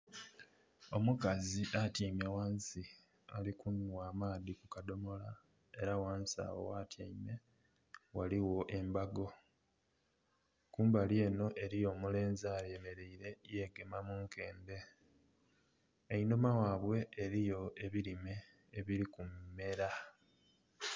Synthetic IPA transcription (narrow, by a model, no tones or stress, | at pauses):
o̞mukaziʔatimewaːnsi | a̰likunwaːmaːðikukado̞mo̞la | e̞ɾawaːnsa̰ːwo̞̰watʰjaime̞ | waliwo̞ʔe̞mbaɡo̞ | kuːmbalje̞ːno̞ʔe̞ɾijo̞ːmule̞ːnzaːɾeme̞ɾe̞iɾe̞je̞ɡe̞mamuːŋkʰe̞ːnde̞ | inomawaːβwe̞ːɾijo̞e̞βilime̞ː | βiɾikumːe̞ɾa